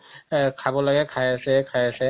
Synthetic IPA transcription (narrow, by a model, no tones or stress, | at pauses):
kʰabɔlaɡɛkʰajasɛkʰajasɛ